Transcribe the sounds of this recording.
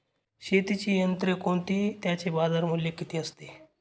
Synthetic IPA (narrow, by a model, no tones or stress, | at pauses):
ɕet̪it͡ɕiːjənt̪ɾekoɳt̪iːt̪jat͡ɕebazaɾmuljekit̪ʰiːəst̪e